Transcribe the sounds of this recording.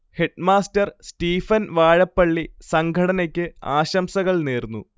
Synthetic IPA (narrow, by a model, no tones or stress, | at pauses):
he̞ʈmaːstɐrstiːfɐnʋaːɻɐpːɐɭːisɐŋɡʱɐɽɐnɐkʲːɨaːɕɐmsɐɣɐɭneːrnːṵ